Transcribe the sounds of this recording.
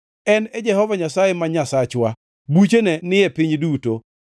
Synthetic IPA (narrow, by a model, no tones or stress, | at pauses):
ɛnɛd͡ʒɛhɔvaɲasajemaɲasat͡ʃwa | but͡ʃenɛnɪjɛpɪɲduto